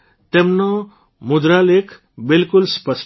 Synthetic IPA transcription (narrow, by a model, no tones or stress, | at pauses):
t̪emnɔ | mud̪ɾalekʰ | bilkulspəs